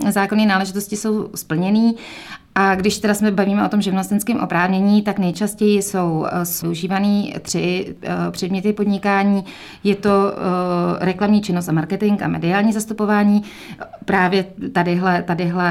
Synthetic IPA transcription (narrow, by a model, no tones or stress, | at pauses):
zaːkoniːnaːlɛʒɪt̪o̞scɪso̞wspl̩ɲɛniː | ʔaɡdɪʃt̪ɛdasmɛbaviːmɛʔo̞t̪o̞mʒɛvlast̪ɛnskɛːmʔo̞̰pɾaːvɲɛɲiːt̪aknɛjt͡ʃascɛjɪso̞wsouʒiːvaniːt̪r̝̥ɪpr̥ɛdmɲɛt̪ɪpo̞dɲɪkaːɲiː | jɛt̪o̞ | ɾɛklamɲiːt͡ʃɪnost̪ʔamaɾkɛt̪ɪŋka̰mɛ̰dɪaːlɲiːzast̪upo̞vaːɲiː | pɾaːvjɛt̪adɪɦlɛt̪adɪɦlɛ